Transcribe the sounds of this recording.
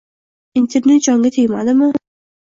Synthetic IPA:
int̪ʰe̞ɾnet̪̚d͡ʒɒŋɡʲat̪ʰejmad̪ɪmɪ

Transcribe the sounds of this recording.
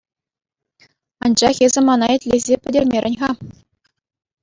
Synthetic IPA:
ɑnd͡ʑɑχezʲɘ̆mɑnɑĕtʲlʲezʲepʲɘ̆dʲerʲmʲerʲɘ̆nʲʁɑ

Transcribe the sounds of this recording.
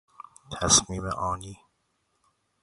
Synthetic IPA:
t̪ʰæsmiːmḛʔɒːniː

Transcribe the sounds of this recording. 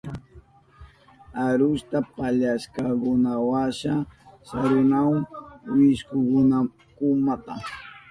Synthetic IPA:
aɾʊst̪apaʎaskakʊnawaʃasaɾʊnawwɪʃkʊkʊna | kʊmat̪a̰

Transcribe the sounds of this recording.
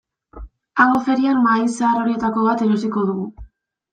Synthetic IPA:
aŋɡofe̞ɾianmajseaɾo̞ɾie̞t̪ako̞βat̪eɾosiko̞ð̞uɣu

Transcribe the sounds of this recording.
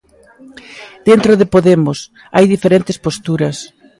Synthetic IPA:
d̪̥ent̪ɾoðɪpoðemʊs | ajðifeɾent̪ɪspost̪uɾɐs

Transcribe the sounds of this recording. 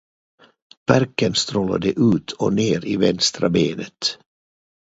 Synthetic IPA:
b̥æɾkənst̪ɾoːla̰d̪əʔʉ̟ːt̪ʰɔneːɾivɛnst̪ɾabeːnət̪

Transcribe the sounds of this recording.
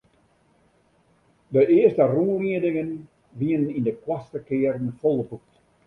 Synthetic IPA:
dəʔɪəstəruliədɪŋən | ʋiənənindəkwastəkɪəɾn̩folˠəpuk̚t

